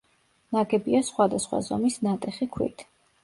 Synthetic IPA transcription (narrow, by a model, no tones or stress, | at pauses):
naɡɛbiasχwad̪asχwa̰zɔmisnat̪ʼɛχikʰwḭt̪ʰ